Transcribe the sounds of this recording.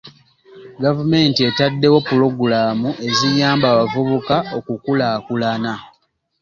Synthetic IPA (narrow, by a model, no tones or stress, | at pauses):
ɡavume̞ːntie̞tadːe̞wo̞pːulo̞ɡulaːmuʔe̞zijaːmbaːβavuβukaʔo̞kukulaːkulana